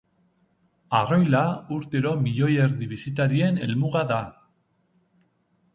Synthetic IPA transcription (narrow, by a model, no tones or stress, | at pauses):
aro̞jlauɾt̪e̞ɾo̞miʎo̞jeɾðiβisit̪aɾie̞ne̞lmuɣaða